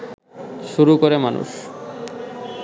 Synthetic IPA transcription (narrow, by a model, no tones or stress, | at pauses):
ʃuɾukoɾemanṵʃ